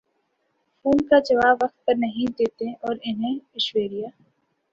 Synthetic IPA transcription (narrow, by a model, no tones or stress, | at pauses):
fuːnkad͡ʒɐʋaːbʋːɐq̚t̪̚pɐɾnɐɦĩd̪eːt̪ẽʔɔːɾɪnɦẽɪʃweːɽijaː